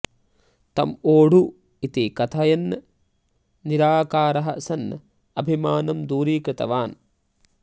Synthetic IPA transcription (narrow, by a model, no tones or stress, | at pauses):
t̪ɐmoːɽ̤u | it̪ikɐt̪ʰaːjɐnː | iɾaːkaːɾɐɦɐ̰sɐn | ɐbʱimaːnɐmd̪uːɾiːkɾɨt̪ɐ̰ʋaːn